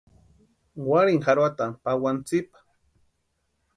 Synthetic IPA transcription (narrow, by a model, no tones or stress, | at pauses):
waɾɪŋhaɾwat̪apawant͡sɪpḁ